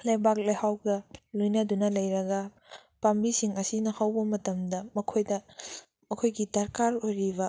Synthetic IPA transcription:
lajbak̚lajhawɡɐlojnɐdunɐlɐjɾɐɡɐ | pambisiŋɐsinɐhawbɐmɐtɐmdɐmɐkʰojdɐ | mɐkʰojɡidɐɾkaɾojɾibɐ

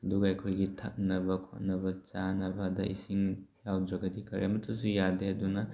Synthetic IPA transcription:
ɐduɡɐɐjkʰojɡitʰɐ̰k̚nɐbɐkʰo̰t̚nɐbɐt͡ʃanɐbɐdɐ̰ʔḭsiŋjawdɾɐɡɐdikʰɐɾḛɐmɐtʰusujadeɐdunɐ

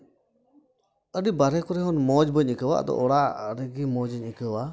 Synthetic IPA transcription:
əɖibaɾɛkɔɾɛɦɔnmɔd͡ʒbəɲəkəwa̰ʔd̪ɔ̰ʔɔɽaɾəɡimɔd͡ʒəɲəkəwa

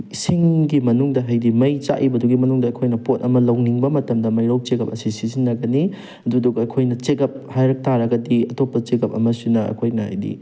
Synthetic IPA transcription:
siŋɡimɐnuŋdɐɦajdimɐjt͡ʃa̰ʔibɐduɡimɐnuŋdɐɐkʰojnɐpotɐmɐlɐwniŋbɐmɐtɐmdɐmɐjɾaw̚t͡ʃeɡɐp̚ɐsisizinːɐɡɐni | ɐduduɡɐːkʰojnɐt͡ʃeɡɐp̚hajɾɐk̚tʰaɾɐɡɐdiɐtopːɐt͡ʃeɡɐp̚ɐmɐsinɐɐ̰kʰojnɐha̰jdḭ

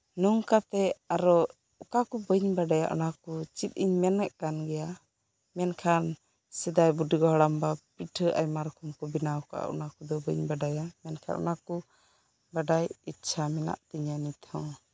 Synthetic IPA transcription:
nuŋkat̪ɛaɾɔ | ɔkakubəɲbaɖaja̰ʔɔ̰nakut͡ʃit̪̚iɲmɛnɛʔkanɡɛja | mɛnkʰan | sɛd̪ajbuɖiɡɔɦɽambapiʈʰəʔa̰jmaɾkʰumkɔbinawka̰ʔa̰ʔɔ̰nakud̪ɔbəɲbaɖajamɛnkʰa̰nʔɔ̰naku | baɖajitːt͡ʃʰamɛna̰ʔt̪iɲanit̪ʰɔ̃

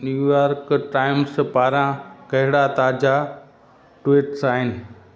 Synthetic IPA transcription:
njuːjaːɾkʈaːɪmspaːɾãkɐɦɪɽat̪aːd͡ʑa | ʈwiːʈsaːɦɪnɪ̆

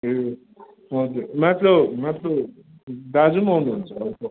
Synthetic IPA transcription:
e | ɦʌd͡zuɾmat̪lʌbmat̪lʌb | d̪ad͡zumʌwnuɦunt͡sʰʌːɾko

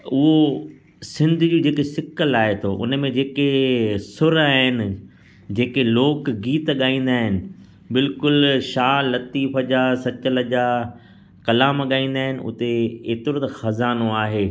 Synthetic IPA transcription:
ʊɦo | sɪ̃nd̪ʱʊd͡ʑuːd͡ʑeːkesɪkəlaːɦet̪ʰoʔʊ̰nə̆mẽd͡ʑeːkesʊɾaːɦɪnɪ̆ | d͡ʑeːkeloːkɡiːt̪ɠaːĩːn̆d̪aːɦɪnɪ̆ | bɪlkʊlʃaːlɐt̪iːfəd͡ʑaːsɐt͡ɕələd͡ʑaː | kɐlaːmɠaːĩːn̆d̪aːɦɪnɪ̆ʔʊ̰t̪eeːt̪ɪɾot̪əxɐzaːnoaːɦeː

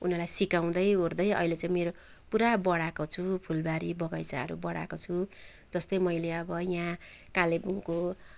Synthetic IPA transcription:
ṵnʌlajsikaw̃d̪ʌjord̪ʌjʌ̰ilet͡sãĩmeɾo | puɾabʌɽakot͡sʰupʰulbaɾibʌɡʌjsa̰ɦʌ̰ɾṵbʌɽa̰kot͡sʰu | d͡zʌst̪ʌjmʌjleʌbʌjã | kalebuŋko

